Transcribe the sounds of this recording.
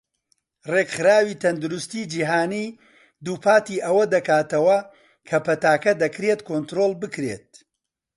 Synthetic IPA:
rekχɨɾaːwiːt̪ʰɐnd̪ʊɾʊst̪iːd͡ʒiːɦaːniː | d̪uːpʰaːt̪iːʔɐwɐd̪ɐkaːt̪ɐwɐ | kʰɐpɐt̪aːkɐd̪ɐkɾet̪kʰoːnt̪ɾoːlˠbɨkɾḛt̪̚

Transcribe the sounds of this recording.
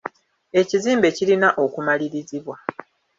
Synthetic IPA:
e̞ciziːmbe̞cilinaʔo̞kumaliɾiziβwa

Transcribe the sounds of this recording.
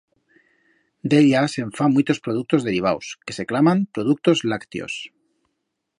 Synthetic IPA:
d̪eljaseɱfamujt̪o̞spɾoðuk̚t̪o̞zðe̞ɾiβawske̞̥se̞klamãmpɾo̞ð̞uk̚t̪o̞zlakt̪jo̰s

